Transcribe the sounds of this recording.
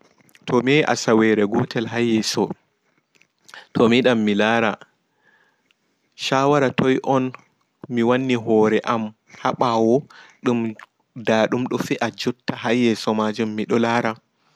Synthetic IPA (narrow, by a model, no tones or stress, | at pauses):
tʰɔmiɛjʔa̰sawɛɾɛɡɔtɛlɦajːɛsɔ | tʰɔmiɗamːilaːɾa | ʃaːwaɾatʰɔjʔɔn | miwanːiɦɔɾɛʔam | haɓawɔɗum | daɗumɗɔfiʔad͡ʒutːahajːɛsɔmad͡ʒumːiɗɔlaːɾa